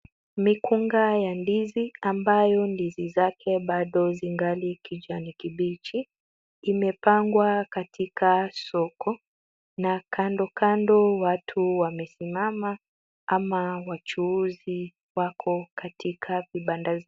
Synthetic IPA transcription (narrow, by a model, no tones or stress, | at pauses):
mikuŋɡajandiziambajɔndizizakʰɛɓaɗɔziŋɡalikid͡ʒanikiɓit͡ʃiː | mɛpaŋɡwakatʰikʰasɔkʰɔ | nakʰandɔkʰandɔwatʰuwamɛsimama | amawat͡ʃuuzi | wakʰɔkatikʰaviɓandaz